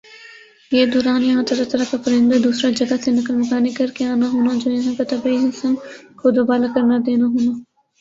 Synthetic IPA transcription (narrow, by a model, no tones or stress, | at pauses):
jeːd̪ɔːɾaːnjɐɦãt̪ɐɾat̪ɐɾakapɐɾɪ̃nd̪ad̪uːsɾad͡ʒɐɡasenɐkəɾməkaːnekɐɾkeaːnaɦoːnad͡ʒoːjɐɦãkat̪ɐbaiɦɪsəmkod̪obaːlakɐɾnad̪eːnaɦoːnaː